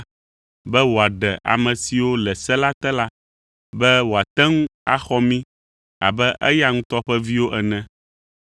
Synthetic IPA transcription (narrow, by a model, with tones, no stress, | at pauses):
bɛ˦wo˨a˨ɖɛ˨ʔa̰˨mɛ̃˨si˨wo˦lɛ˨sɛ˦la˦t̪ɛ˦la˦ | bɛ˦wo˨a˨t̪ɛ˦ŋũ˦a̰˦xɔ˦mĩ˦ | a̰˨bɛ˦ʔɛ̰˦ja˦ŋũ˦t̪ɔ˦ɸɛ˦vi˦wo˦ʔɛ˨nɛ̃˦